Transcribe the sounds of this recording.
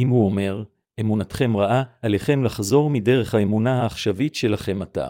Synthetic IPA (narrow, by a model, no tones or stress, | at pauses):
imhuo̞me̞ʁ | e̞munatχe̞mʁaʔaaleχe̞mlaχzo̞ʁmide̞ʁe̞χhaemunahaːχʃavitʃe̞laχe̞mata̰